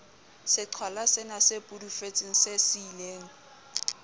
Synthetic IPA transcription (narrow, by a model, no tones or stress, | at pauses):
sɪǀʰwalasɪnasepʼudufet͡sʼɪŋ̩sesileːŋ̩